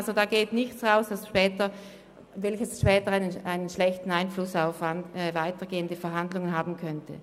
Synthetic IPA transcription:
lzodaːɡeːtnɪçt͡sʁaʊsd̥asʃpɛːtɐ | vɛlçəsʃpɛːtəaɪnənʔaɪnənʃlɛçtn̩aɪnflʊsaʊfaɛːvaɪtɐɡeːəndəfɛɐɦandlʊŋənɦaːbm̩n̩kʰœntʰə̰

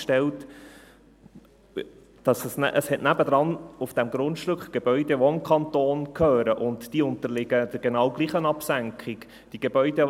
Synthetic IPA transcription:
ʃtɛlt | d̥ɑsəsnʔəshɛtnæbəd̪ɾɑnufd̥ɛmɡɾʊntʃtɵkχɡ̥eb̥œʏdeʋɔɪmkχɑntoːnkʰœːɾəʔʊntd̥iːʊntəɾlɪɡəd̥̪ɪɾɡ̥enɑwɡliːχənɑpsæŋkχɪk | d̥iɡ̥ebœʏd̥ɛ

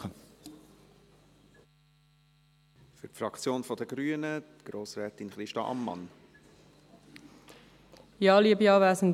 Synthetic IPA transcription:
ə | fyɾtfɾɑkt͡sjoːnfɔdəɡ̥ɾyːənətɡ̥ɾoːsɾɛːtinχɾɪʃtɑʔɑ̰mːɑ̰n | jɑːliəbjɑːvæːsən

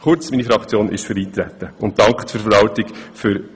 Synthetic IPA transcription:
χʊɾt͡sminifɾɑkt͡sjoːnʔɪ̰ʃføɾiːt̪ɾæt̪ːəʊnt̚d̥ɑŋkχtfyɾfəɾɑwtɪkfʏɾ

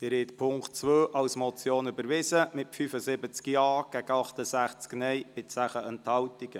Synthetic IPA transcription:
t̪ɪɾhɛt̪pʰʊŋkt̚t͡sʋøːʔɑwsmɔt͡sjoːnybəɾvɪzəmɪtfyfəsɪbət͡skjɑːɡ̥æɡəɑχtəsæχt͡sknɛjb̥ɪtt͡sæχəənthɑwtiɡ̥ə

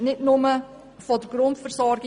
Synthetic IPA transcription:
nɪtnʊmə | fodəɡ̥ɾʊntfəɾsɔɾɡɪ

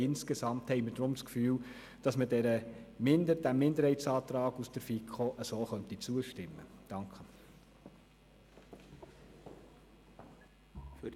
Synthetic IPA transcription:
ɪnskesɑmt̪hɛɪməd̥ɾʊmskfyːl | d̥ɑsmədɛɾəmɪndəd̥æmɪndəɾhɛɪt͡sɑːt̪ɾɑːɡusd̥əɾfikʰoʔəsoːχœnt̪it͡suəʃtɪmːə̰d̥ɑŋkχə | fy

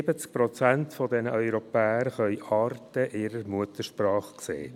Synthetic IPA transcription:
bət͡sk̚pɾɔt͡sæntfɔdɛnəʔœʏɾɔpæːəɾχœʏɑːɾtəʔɪɾəɾmuət̪əɾʃpɾɑːχksḛː

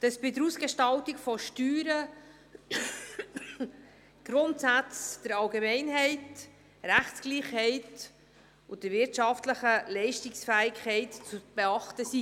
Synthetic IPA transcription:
d̥ɑsb̥ɪdəɾuːsɡ̥eʃtɑltikfɔʃtyːɾə | ɡ̥ɾʊntsæt͡sd̥əɾɑlɡemɛɪnɦɛɪt | ɾæχt͡sɡ̥liːχhɛɪt | ʊdəɾvɪɾtʃɑftləχəlɛɪʃtɪksfæːɪkʰχɛɪtt͡sub̥eɑχtəsi

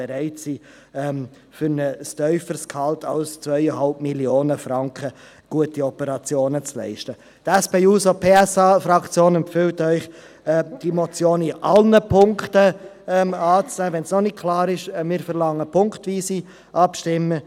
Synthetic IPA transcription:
ɛɾæɪtsi | ɛm | fʏɾnəstœʏfəɾskhɑltʰaʊst͡svœʏəɦɑlpmiljoːnəfɾɑŋkʰə | ɡ̥uətiɔpəɾɑt͡sjoːnət͡slɛ̰ɪʃtə | tɛspeːuːsopʰeːɛsɑfɾɑkt͡sjoːnɛmpfʏltœʏχ | ɛd̥imɔt͡sjoːnɪʔɑlnəpʰʊŋktə | ɛmɑːt͡snɛːvɛnsnɔnɪk̚kʰlɑːɾɪʃmɪːɾfəɾlɑŋːəpʰʊŋkχtʋiːsiː | ʔɑpʃtɪmːə

